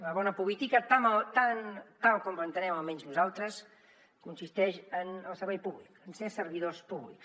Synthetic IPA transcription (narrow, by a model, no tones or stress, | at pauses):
ləβɔnəpuβit̪ikət̪amalt̪ant̪alˠkɔmlənt̪ənɛməlˠmɛɲznuzalˠt̪ɾəs | kunsist̪ɛʃənəlˠsəɾβɛjpuβlikənsesəɾβiðospuβlḭks